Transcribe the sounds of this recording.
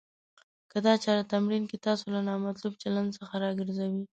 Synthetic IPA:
kəd̪ɑt͡ʃɑɾat̪amɾinket̪ɑsolanɑmat̪lubt͡ʃaland̪səxaɾɑɡəɾzawi

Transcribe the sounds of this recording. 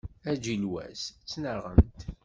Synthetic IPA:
æd͡ʒilwæ̰st͡sːnəʁə̰mt̪

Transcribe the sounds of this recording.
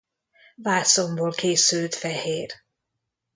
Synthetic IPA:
vaːsomboːlkʰeːsylt̪fɛheːr

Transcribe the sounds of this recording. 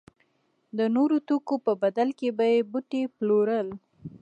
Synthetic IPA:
d̪ənoɾot̪okopəbad̪alkebajebuʈeploɾəl

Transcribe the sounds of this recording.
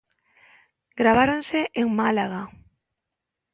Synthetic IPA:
ɡɾaβaɾonseʔeŋmalaɣa

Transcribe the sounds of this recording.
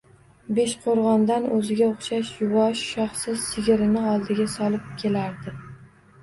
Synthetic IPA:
beʃqʰoɾʁɒnd̪anɵzɪɡʲaoχʃaʃjʊwɒʃʃɑχsɪzsɪɡʲɪɾɪnɪɒlˠd̪ɪɡʲasɒlˠɪp̚kʲʰe̞laɾd̪ɪ

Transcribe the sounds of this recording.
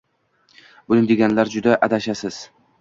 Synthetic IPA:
bʊnɪd̪eɡʲanlaɾd͡ʒʊd̪aʔad̪aʃasɪz̥

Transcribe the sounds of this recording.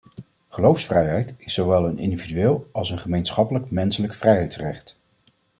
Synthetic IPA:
χəlowfsfrɛjɦɛjtɪsowʋɛlˠənɪ̰ndividyɪːlˠɑlˠsənχəmejnsχɑpələkmɛnsələkfrɛjɦɛjtsrɛχt

